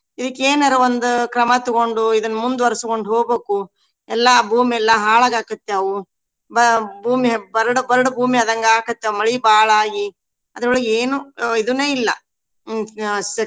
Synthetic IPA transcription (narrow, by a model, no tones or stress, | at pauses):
id̪ikːeːnɐɾoʋond̪ukɾɐmɐt̪uɡoɳɖuid̪ɐnːɐmund̪uʋɐɾisukoɳɖɦoːɡbeːku | ɛlːɐbʱuːmiɛlːɐɦaːɭaɡaːkɐt̪ːeɐʋu | bɐbʱuːmibɐɾɽɐbɐɾɐɽubʱuːmiɐd̪ɐŋɡeaːkɐt̪ːeɐmɐɭibaːɭaːɡi | ɐd̪ɐuɭɐɡeːnuid̪uneːilːɐ̰ | sɐ